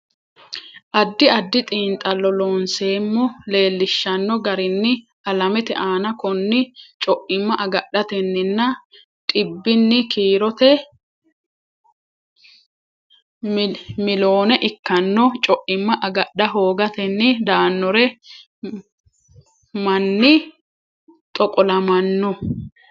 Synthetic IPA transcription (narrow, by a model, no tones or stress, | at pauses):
ʔɐd̪ːɪɐd̪ːɪt̪ʼiːnt̪ʼɐlːɔloːnse̞ːmːɔle̞ːlːɪʃːɐnːɔɡɐɾɪnːɪ | ɐlɐmɛt̪ɛ̰ʔaːnɐkɔnːɪt͡ʃʼɔʔɪmːɐʔɐɡɐɗɐt̪ɛnːɪnːɐ | t̪ʼɪbːɪnːɪkiːɾɔt̪ɛ | mɪlo̞ːnɛʔɪkːɐnːɔt͡ʃʼɔʔɪmːɐʔɐɡɐɗɐɦoːɡɐt̪ɛnːɪd̪aːnːɔɾɛ | mɐnːɪ | t̪ʼɔkʼɔlɐmɐnːɔ